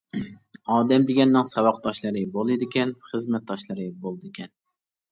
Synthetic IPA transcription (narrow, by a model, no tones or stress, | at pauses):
ɑːd̪ɛmd̪ɪɡʲɛnːɪŋsɑwɑq̚d̪ɑʃlˠɨɾɨbolˠɨd̪ɪkʲʰɛnχɨzmɛt̪̚d̪ɑʃlˠɨɾɨbolˠɨd̪ɪkʲʰɛn